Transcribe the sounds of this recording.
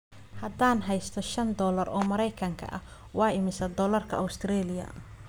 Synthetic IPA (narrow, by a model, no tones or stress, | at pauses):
hɐd̪aːnɦɛjst̪ʰɔʃɐnd̪ɔːlɐrɔːmɐɾɛjkʰɐŋkʰɐ̰ʔɐ̰ | wɑːɪmɪsɐd̪ɔːlɐrkʰɐʔʊwst̪ʰɾɛːlɪjɐ̰